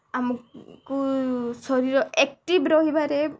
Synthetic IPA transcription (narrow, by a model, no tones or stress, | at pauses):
amukkusɔɾiɹɔɛk̚ʈibɾɔɦibaɾɛ